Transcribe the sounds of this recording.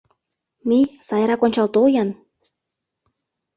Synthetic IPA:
mijsɑjɾɑkonʲt͡ɕɑlt̪ojɤn

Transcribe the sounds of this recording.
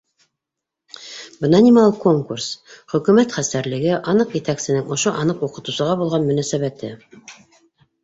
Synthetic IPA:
bɤ̆nɑnimlˠko̞ŋkursχɵ̆kʉ̆mæt̪χæst̪æɾlɘ̆ɡɘʔɑnɤqjɘ̆t̪æksɘ̆nɘŋŏʃoʔɑnɤquqɤ̆t̪ŭsɤ̆ʁɑbulˠʁɑnmɵ̆næsæβæt̪ɘ

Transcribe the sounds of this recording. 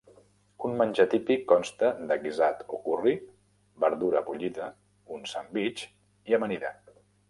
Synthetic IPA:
unmənʲʒət̪ipikːɔnst̪əd̪əɣizat̪okuri | bəɾðuɾəβuʎiðə | unsambit͡ʃ | iəməniðə̰

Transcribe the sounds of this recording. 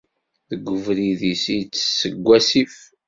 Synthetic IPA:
ðəɡʷːəvɾiðisijt͡sːsːəɡʷːæsif

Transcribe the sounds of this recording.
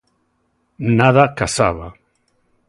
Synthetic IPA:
naðakasa̰βa̰

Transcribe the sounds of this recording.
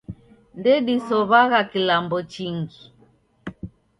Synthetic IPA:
ndɛɗisɔβaɣakilambɔt͡ʃiŋɡi

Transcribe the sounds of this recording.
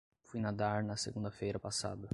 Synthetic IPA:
fujnad̪aɾnɐsḛɡũnd̪ɐfejɾɐpasa̰d̪ɐ

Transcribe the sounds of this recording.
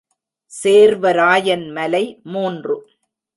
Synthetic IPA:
seːɾʋɐɾaːjɐnmɐlɐɪmuːndrɯ

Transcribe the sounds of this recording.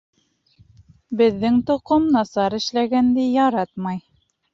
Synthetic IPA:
bɘ̆ðːɘŋt̪ŏqomnɑsɑɾɘ̆ʃlæɡænd̪ijɑɾɑt̪mɑj

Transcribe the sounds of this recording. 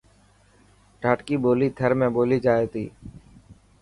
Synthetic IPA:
ʈaːʈkiːboːliːt̪ʰəɾmẽːboːliːd͡ʒaːeːt̪ḭː

